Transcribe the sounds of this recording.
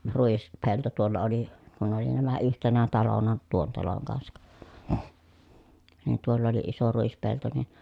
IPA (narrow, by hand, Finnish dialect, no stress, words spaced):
ruispelto tuolːɑ oli kun oli næmæ yhtenæ tɑlonɑ tuon tɑloŋ kɑnsɑk nin tuolː oli iso ruispelto nin